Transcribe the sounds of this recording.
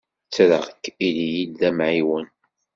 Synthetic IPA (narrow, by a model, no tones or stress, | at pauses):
t͡sːɾə̰ʁkːilijidːæmʕiwən